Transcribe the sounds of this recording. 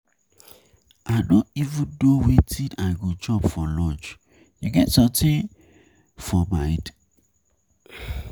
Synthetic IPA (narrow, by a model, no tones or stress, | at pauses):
ʔaɪdõnivũndowetʰidaɡud͡ʒɔpfɔlɔ̃nt͡ʃ | juɡɛtsɔ̃mtʰĩn | fɔmaɪd